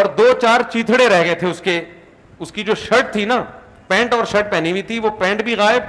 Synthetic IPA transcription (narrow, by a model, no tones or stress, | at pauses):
ɔːɾd̪oːt͡ʃaːɾt͡ʃiːt̪ʰɽeɾɛɦɡəet̪ʰeʊske | ʊskid͡ʒoːʃɐʈ̚t̪ʰina | pɛ̃ːɳʈɔːɾʃɐʈ̚pɛːnibʱit̪ʰiʋopɛ̃ːɳʈbʱiɣaːɪb̚